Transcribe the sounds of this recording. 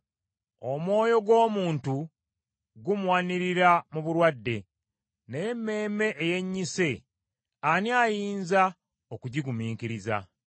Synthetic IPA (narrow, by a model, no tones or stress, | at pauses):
o̞mwo̞ːjo̞ɡo̞ːmuːntu | ɡumuwaniɾiɾamuβuɾwadːe̞ | neje̞mːe̞ːme̞ʔːje̞ɲːise̞ | aniajiːnza | okuɟiɡumiːŋkiɾiza̰